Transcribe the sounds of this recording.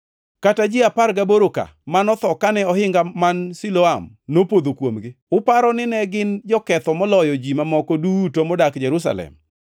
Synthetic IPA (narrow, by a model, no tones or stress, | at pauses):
katad͡ʒɪapaɾɡaboɾoka̰manɔt̪ɔkanɛɔhɪŋɡamansiloam | nopod̪okwomɡɪʊpaɾɔnɪnɛɡɪnd͡ʒɔkɛt̪ɔmɔlɔjɔd͡ʒimamɔkɔdutomɔdakd͡ʒɛɾus̬a̰lɛ̰m